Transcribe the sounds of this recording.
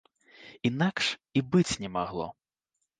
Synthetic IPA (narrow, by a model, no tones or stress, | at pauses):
inakʃibɪt͡sʲnʲɛmaɦlˠɔ̰